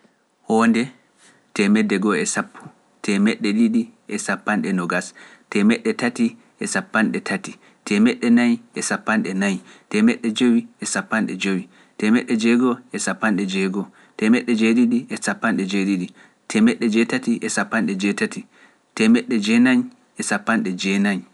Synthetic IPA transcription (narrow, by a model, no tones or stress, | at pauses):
hɔndɛ | tɛmɛdːɛɡɔɛsapʰːu̥ | tʰɛmɛɗːɛɗiɗiʔɛsapːanɗɛnɔɡastɛmɛɗːɛtati | ʔɛsapːanɗɛtʰati | tʰɛmɛɗɛnajʔɛsapːanɗɛnajtɛmɛɗːɛd͡ʒowiɛsapːanɗɛd͡ʒowi | tɛmɛɗːɛd͡ʒɛɡɔɛsapːanɗɛd͡ʒɛɡɔ | tɛmɛɗːɛd͡ʒeɗiɗiɛsapːanɗɛd͡ʒeɗiɗi | tʰɛmɛɗːɛd͡ʒɛtatiʔɛsapːanɗɛd͡ʒɛtati | tɛmɛɗːɛd͡ʒɛnaɲ | ɛsapːanɗɛd͡ʒɛnaɲ